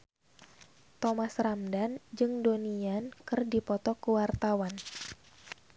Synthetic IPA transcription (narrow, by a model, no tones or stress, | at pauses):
t̪ɔmasramdand͡ʒɨŋdoniankɨrdipɔt̪ɔkəwart̪awan